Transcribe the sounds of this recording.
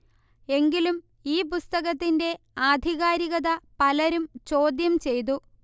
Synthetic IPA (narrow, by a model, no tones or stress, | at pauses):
e̞ŋɡilum | iːpust̪ɐɣɐt̪ːinde̞ | aːd̪ʱiɣaːɾiɣɐðɐpɐlɐɾumt͡ɕo̞ːd̪jɐmt͡ɕe̞jt̪u